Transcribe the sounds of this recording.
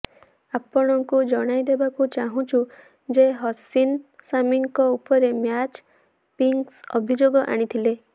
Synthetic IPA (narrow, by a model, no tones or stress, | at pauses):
apɔɽ̃ɔŋkud͡ʒɔɽ̃ajd̪ebakut͡ʃaɦũt͡ʃʰu | d͡ʒeɦɔsinsamiŋkɔupɔɾemjat͡ʃ | piŋksɔ̰bʱid͡ʒoɡɔʔa̰ɽ̃it̪ʰile